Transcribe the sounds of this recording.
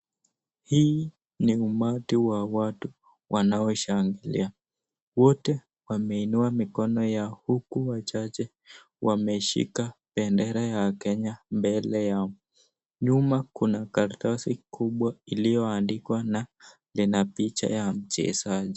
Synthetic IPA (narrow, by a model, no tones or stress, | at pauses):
hiː | niumatiwawatu | wʔanaɔʃaŋɡilḭa | wɔtɛ | wamɛinuamikɔnɔjahukuwat͡ʃat͡ʃɛ | wamɛʃḭkapɛndɛɾajakɛɲambɛlɛjaɔ | ɲumakunakaɾtasikʰuɓwailijɔandikwana | linapit͡ʃa̰jam̩t͡ʃɛ̰saʄi